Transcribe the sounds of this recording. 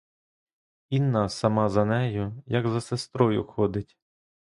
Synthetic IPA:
inːɑsɐmɑzɐnɛjʊjɐɡzɐsest̪ɾɔjʊ̰xɔd̪ɪtʲ

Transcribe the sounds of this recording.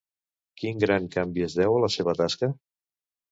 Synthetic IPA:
kiŋɡɾaŋkambiezðɛwələseβ̞ət̪askə

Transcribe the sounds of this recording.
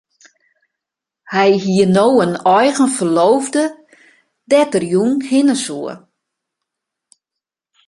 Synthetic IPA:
hɛjɦiənoːwənɔjɣənfərloːvdə | dɛtərjunhɪnəsuə

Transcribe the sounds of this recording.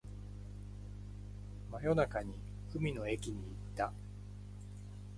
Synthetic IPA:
majo̞nakaɲ̟i | kɯ̟mʲino̞ekʲiɲ̟iːt̪ːa

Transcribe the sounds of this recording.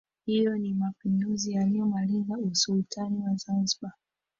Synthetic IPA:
hijɔnimapinduzijaliɔmaliŋɡausultʰaniwazanziɓa

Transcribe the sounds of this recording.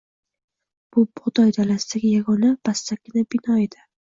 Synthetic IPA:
b̥ʊbχʊd̪ɒjd̪alasɪd̪aɡʲɪjaɡɒnab̥ast̪akʲːɪnabɪnɒed̪ɪ

